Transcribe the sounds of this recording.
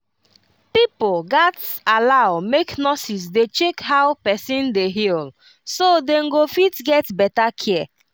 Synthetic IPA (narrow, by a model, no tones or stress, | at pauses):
pipolɡatalaʊmeknɔsis̬det͡ʃekhaʊpɛsĩndeɦil | sodeŋ̩ɡofitɡɛtbɛtakʰɛ